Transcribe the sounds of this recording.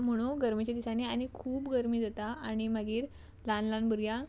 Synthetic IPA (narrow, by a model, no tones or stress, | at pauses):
m̤əɽ̃uɡəɾmit͡ɕed̪isaneanikʰuːbɡəɾmiːd͡zat̪aaɽ̃imaɡiːɾ | lanlanbəɾɡjã